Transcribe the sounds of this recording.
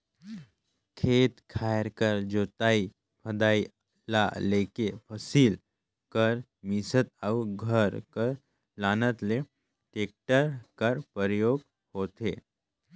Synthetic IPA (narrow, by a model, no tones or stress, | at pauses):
kʰet̪kʰajɾkəɾd͡ʒot̪ai | pʰəd̪ai | la̰lekepʰəsiːl | kəɾ | misət̪̚awɡʱəɾkəɾ | lanət̪le | ʈek̚ʈəɾkəɾpəɾjoɡ̚ | hot̪e